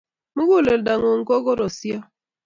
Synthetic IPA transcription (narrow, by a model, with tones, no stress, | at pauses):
mu˦ɡu˦˨le˨lda˨ŋo˨ŋ̩˦kɔ˦ɣɔ˦ɾɔ˨sja˦